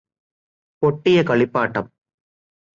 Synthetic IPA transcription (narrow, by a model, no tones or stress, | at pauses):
pɔʈːɪjɐkɐɭɪpːaːʈːɐm